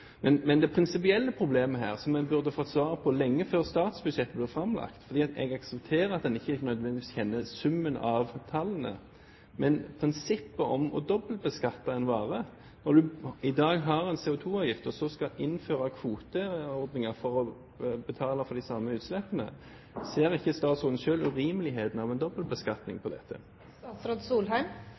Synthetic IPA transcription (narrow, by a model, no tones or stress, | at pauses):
mɛnmɛnd̪ɛpʰɾɪnsɪp̬ɪɛlːəpʰɾʊbleːməɦæːʁsɔmɛbʉʁd̪əfɔt̪ːsʋɑːʁəpʰɔlɛŋːəføːʁst̪ɑːt̪sbʉd̪ʃɛt̪ːəblɪʁfʁɑmlɑ̰kt̪fɔʁd̪iːɑt̪ɛ̰ɡɑksɛpt̪ʰeːʁəɑt̪̚d̪ɛnɪçːəɪnœʏd̪ʋɛnd̪ɪiːsçɛnːəsʉmːənɑʋt̪ʰɑlːənə̰ | mɛnpʰʁɪnsɪpːəɔ̰mɔ̰d̪ɔbəlt̪̚bəskɑt̪ːɑɛnʋɑːʁə | nɔɾd̪ʉɪd̪ɑːɡɦɑʁɛnseːʊt̪ʰuːɑːʋjɪft̪əsɔskɑʔɪnːføːʁɑkʰʋuːt̪əɔʁd̪nɪŋɑfɔʁɔ | bət̪ʰɑːləfɔd̪ɪsɑmːəʉːt̪slɛpːənə̰ | seːɾɪçːəst̪ɑːt̪sɔʁd̪n̩ʃøːlʉɾiːməlɪɦeːd̪ənɑʋɛnd̪ɔbəlbəskɑt̪nɪ̰ŋpʰɔd̪ɛ̰t̪ʰːə̰ | ɑt̪sɾɔd̪suːlɦæɪm